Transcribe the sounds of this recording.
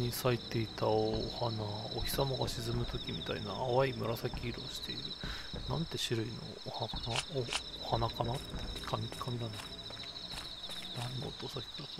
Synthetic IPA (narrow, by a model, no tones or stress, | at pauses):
ɲisait̪e̞it̪ao̰hanao̰çʲi̥samoɡaɕizɨmɯ̟t̪o̞kʲimʲit̪aḭnaːβaimɯ̟ɾasakʲiːɾo̞̰ːɕi̥t̪e̞iɾɯ̟ | nãnt̪e̞ɕiɾɯ̟ino̞̰hnaoː | hanakanat̪ːe̥kʲi̥kamʲikʲi̥kamʲiɾana | nãnːo̰ːt̪osakʲi̥ka